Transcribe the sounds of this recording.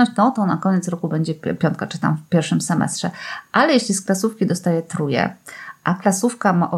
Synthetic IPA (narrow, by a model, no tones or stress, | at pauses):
ɔ̃ɕt͡ɕt̪ɔt̪ɔnakɔɲɛt̪sɾɔkubɛɲd͡ʑɛpʲjɔnt̪̚kat͡ʂɘ̥t̪a̰mfpʲjɛɾfʂɘmsɛmɛ̰st̪ʂɛʔalɛjeɕlʲisklasufkʲid̪ɔst̪ajɛt̪ɾujɛ̰ʔaklasufkamaʔɔ